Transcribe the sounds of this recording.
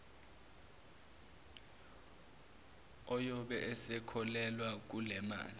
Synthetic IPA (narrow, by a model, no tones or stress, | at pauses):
ɔjɔɓɛʔɛsɛkʰɔlɛlwak̬ulɛma̰ːli